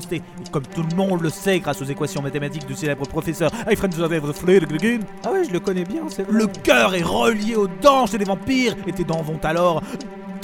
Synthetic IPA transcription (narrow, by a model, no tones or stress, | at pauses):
st̪e | kɔmt̪uləmɔ̃d̪ləsɛɡʁasozekwasjɔ̃mat̪emat̪ik̚d̪əselɛbʁəpχɔfɛsœʁajfχɛ̃nd̪ɛɛvəflød̪əɡliɡynawiʒələkɔnɛbjɛ̃sɛləkʲœʁɛʁəljeod̪ɑ̃ʃelevɑ̃piːʁet̪ɛd̪ɑ̃vɔ̃t̪alɔʁ